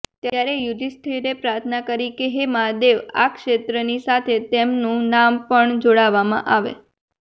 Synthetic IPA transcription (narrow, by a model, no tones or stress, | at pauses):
t̪jaɾejud̪ist̪ʰeɾepɾaɾt̪ʰənakəɾikeɦemad̪eʋa̰kʃet̪ɾənisat̪ʰet̪emnũnampəɳd͡ʒoɽaʋamã̰ʔaʋḛ